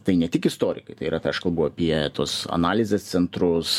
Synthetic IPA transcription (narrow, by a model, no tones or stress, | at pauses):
t̪ɐɪnʲɛt̪ʲɪkɪst̪oːɾʲɪ̰kɐɪt̪ɐɪiɾɐt̪ɐʃkɐlˠbʊɐːpʲiɛt̪oːsɐ̰nɑːlʲɪzʲeːst̪sʲɛnt̪ɾʊs